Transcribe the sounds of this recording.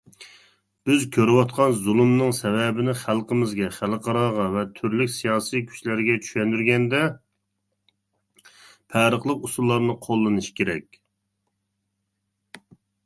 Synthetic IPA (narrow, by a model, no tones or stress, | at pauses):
b̥ɪzkʲʰøɾɪwɑt̪̚qʰɑnzulˠumnɨŋsɛvɛbɪnɪχælˠqəmɪzɡʲɛχælˠəqʰɑɾɑʁɑvɛt̪ʰyɾlykʲsijɑːsijkʲʰy̥ʃlæɾɡʲɛt͡ʃʰy̥ʃɛnd̪yɾɡʲɛnd̪ɛ | pʰæːɾəχlˠəqusulˠːɑɾnɨqʰolˠːɨnɨʃkʲʰeɾɛ̰kʲ